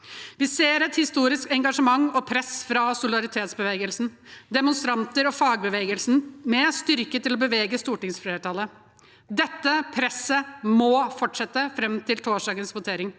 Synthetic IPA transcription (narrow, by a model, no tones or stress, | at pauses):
ʋɪseːɾɛt̪hɪst̪uːɾɪskɛŋɡɑʂəmɑŋːɔpʰɾɛsfɾɑsʊlɪd̪ɑɾɪt̪ʰeːt̪sbəʋeːɡəlsn̩d̪ɛmʊnst̪ɾɑnt̪əɾɔfɑːɡ̚bəʋeːɡəlsnmɛst̪ʏɾkət̪ɪlɔbəʋeːɡəst̪uːʈɪŋsfɾeːʈɑlə | d̪ɛt̪ːəpʰɾɛsəmɔfɔʈʂɛt̪ːəfɾɛmt̪ʰɪlt̪ʰoːʂɖɑːɡənsʋʊt̪ʰeːɾɪŋ